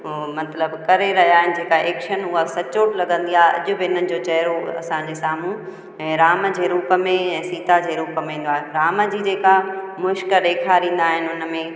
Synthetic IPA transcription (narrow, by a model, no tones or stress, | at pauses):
mɐt̪ləbkɐɾeɾɐɦijaːɦɪnɪ̆d͡ʑeːkaʔeːkʃənʊɦasɐt͡ɕoːʈlɐɡə̃nd̪iaːɦeʔɐ̰ʄʊbɪɪn̤ənɪ̆d͡ʑoːt͡ɕɐɦɪɾoɐ̰sãd͡ʑeːsaːmũ | ɛ̃ːɾaːmə̆d͡ʑeːɾuːpə̆mẽɛ̃ːsiːt̪ad͡ʑeːɾuːpəmẽĩːn̆d̪aːɦeɾaːməd͡ʑiːd͡ʑeːka | mʊʃkəɗeːkʰaɾĩːnd̪aːɦɪnɪʊnə̆mẽ